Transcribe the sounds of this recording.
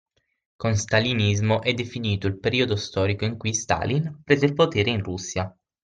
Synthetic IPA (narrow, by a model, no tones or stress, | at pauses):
konst̪alinizmoʔɛd̪ːefiniːt̪oilpeɾiːod̪ost̪ɔːɾikoiŋkujst̪a̰linpɾeːzeilpot̪eːɾeinrusːja